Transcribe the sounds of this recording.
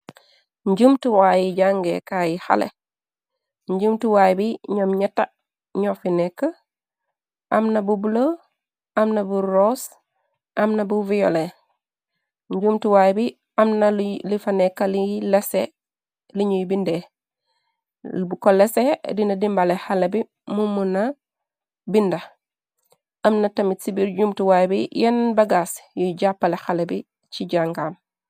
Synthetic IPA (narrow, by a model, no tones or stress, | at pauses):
ɲɟumtiwajiɟaŋɡḛkajiha̰lḛ | ɲɟumtiwajbiɲomɲɐta | ɲofinɛkːa | ʔɐmnɐbubulo | ʔɐmnɐbuɾoːs | ʔɐmnɐbuvijo̰le | ɲɟumtiwajbi | ɐmnallifanekːalilese | liɲujibinde | lbukolesedinɐdimbalexalebi | mumuna | bindɐ | ɐmnɐtɐmitsibiɾɟumtuwajbijɛnbɐɡasjuɟapːalexalebi | t͡ʃiɟaŋɡaːm